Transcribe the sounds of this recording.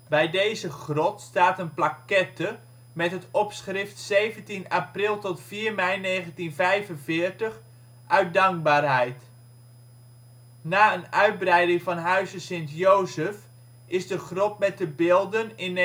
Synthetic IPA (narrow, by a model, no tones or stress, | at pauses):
bɛjdejzəχrɔtstaːtənplakɛtə | mɛtɦətɔpsχrɪftsejvəntinaprɪlˠtɔtfiːrmɛjnejχəntinvɛjvənvɪːrtəχ | ʔœɥt̚dɑŋk̚baːrɦɛjt | naːənœɥd̚brɛjdɪŋvɑnɦœɥzəsɪntjowzəf | ɪzdəχrɔp̚mɛt̚dəbɪːlˠdənɪn